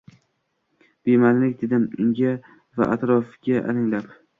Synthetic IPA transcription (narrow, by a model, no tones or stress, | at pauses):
b̥emanlɪkʲd̪ed̪ɪmɪŋɡʲa | va̰ʔat̪ɾɒfɡʲaʔa̰lɪŋlap